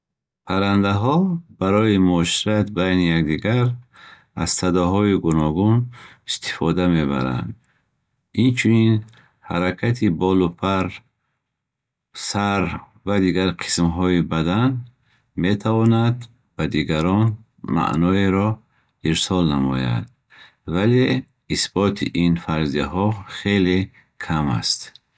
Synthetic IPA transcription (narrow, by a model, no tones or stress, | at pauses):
pʰaɾand̪aɦɔbaɾɔimuʃiɾat̪bajnijakd̪iɡaɾ | az̥sad̪ɔɦɔiɡunɔɡunist̪i̥fɔd̪ame̞ba̰ɾa̰nd̪ | int͡ʃʰunin | ha̰ɾakʰat̪ʰibɔlupʰaɾ | saɾ | vad̪iɡaɾqʰi̥smɦɔibad̪an | met̪ʰavɔnad̪ | bad̪iɡaɾɔn | ma̰ʔnɔeɾɔ | iɾsɔlnamɔ̰ja̰d̪̚ | vale | isbɔt̪ʰḭʔinfaɾzijahɔχe̞le | kʰama̰st̪